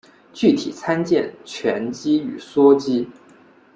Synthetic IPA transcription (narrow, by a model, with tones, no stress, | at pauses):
t͡ɕy˥˩t̪ʰḭ˨˩t͡sʰa˥nt͡ɕjɛ˥˩nt͡ɕʰɥɛ˧˥nt͡ɕi˥y̰˨˩swɔ˥t͡ɕi˥